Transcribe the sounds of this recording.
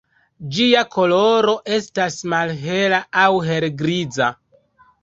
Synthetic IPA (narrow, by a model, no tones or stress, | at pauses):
d͡ʒiako̞lo̞ɾo̞ʔe̞stasmalɦe̞laawɦe̞lɡɾid͡za